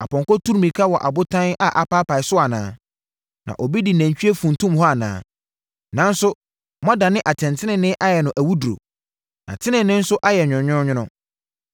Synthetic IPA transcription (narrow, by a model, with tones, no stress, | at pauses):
a˨pɔ̃˨ŋkɔ˦tʰu˦ɾmĩ˨kʰa˦wɔ˨ʔa̰˨bʊ˦tʰã˦na˨ʔa˨pa˦pʰa˨ɪ˨sʊ˦a˨nãː˨˦ | nã̰˨ʔɔ˨bi˦di˨næ̃˨ɲ˨t͡ɕᶣi˦e˦fũ˨n˨tʰũ˦mhɔ˦a˨nã̰ː˦ | nã˨˦n̩˦sʊ˦ | mɔ̃˦da˨nɪ̃˦ʔa˨tʰɛ̃˨ntʰɪ̃˦nɪ̃˨nɪ̃˦ʔa˦jɛ˨nʊ̃˨ʔæ˨wu˦du˨o̰˨ | nã̰˨tʰɪ̃˦nɪ̃˨nɪ̃˦n̩˦sʊ˦ʔa˦jɛ˨ɲᶣʊ̃˨ɲᶣʊ̃˦ɲɪ̃˦nʊ̃˦